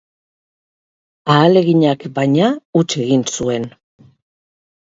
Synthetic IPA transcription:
aːle̞ɣiɲakbajɲaut͡ʃe̞ɣinsue̞n

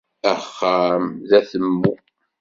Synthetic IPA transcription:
æχːamðæθəmːu

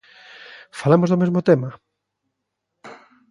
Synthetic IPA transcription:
falamozðomezmot̪ema

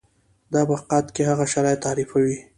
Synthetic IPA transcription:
d̪ɑbaqɑt̪kehaɣaʃaɾɑjt̪ːɑɾifawi

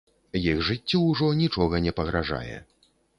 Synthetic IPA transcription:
jiɣʐɨt͡sʲːɔwʐɔnʲit͡ʂɔɣɐnʲɛpɐɣɾaʐa̰jɛ̰

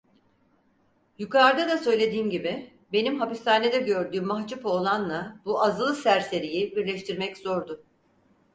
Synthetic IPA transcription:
jukʰaɾd̪ad̪asø̞jlʲe̞d̪iːmɟibɪ | be̞nimɦapist̪ʰaːned̪ɛɟø̞ɾd̪yːmːaɦd͡ʒupolˠanlˠabuazɯlˠɯsæɾse̞ɾijibiɾlʲɛʃt̪ʰiɾmɛcz̥o̞ɾd̪ʊ

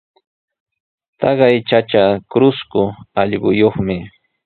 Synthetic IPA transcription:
t̪ɑɢɑjt͡ʃat͡ʃakɾʊskʊɑʎɢʊjoχmɪ

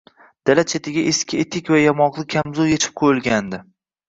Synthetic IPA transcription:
d̪̥alat̪t͡ʃʰet̪ʰɪɡʲaʔeskʲɪet̪ʰɪkʲvajamɒqlˠɪkʲʰamzʊjet͡ʃʰɪ̥p̚qʰojɪlˠɡʲand̪ɪ

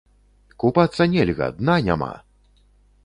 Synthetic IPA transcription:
kupat̪sːɐnʲɛlʲɣɐ̰d̪nanʲa̰ma̰

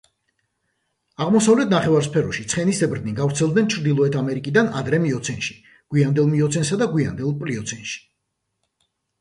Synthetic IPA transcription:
aʁmɔsavlɛt̪ʰnaχɛvaɾspʰɛɾɔʃit̪sʰχɛnisɛbɾd̪niɡavɾt̪sʰɛlˠd̪nɛnt͡ʃʰɾd̪ilˠɔɛt̪ʰamɛɾikʼid̪ana̰d̪ɾɛmiɔt̪sʰɛnʃi̥ | ɡ̥wiand̪ɛlˠmiɔt̪sʰɛnsad̪aɡwia̰nd̪ɛlˠpʼliɔt̪sʰɛnʃi̥

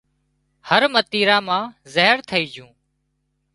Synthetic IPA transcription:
həɾmət̪iːɾaːmãːzəːɦəɾt̪ʰəiːd͡ʒʱũː

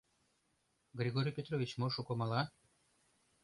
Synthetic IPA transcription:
ɡɾʲiɡoɾʲijpʲet̪ɾovʲit͡ɕmoʃukomɑlˠɑ

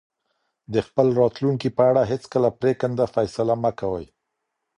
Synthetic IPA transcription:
d̪əxpəlɾɑt̪luŋkipəaɽaɦet͡skəlapɾekənd̪afajsalaməkawə̰j

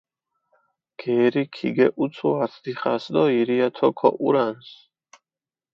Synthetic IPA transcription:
ɡ̥ɛːɾikʰḭɡɛʔut̪sʰuaɾt̪ʰd̪iχasd̪ɔiɾiat̪ʰɔkʰɔ̰ʔṵɾans

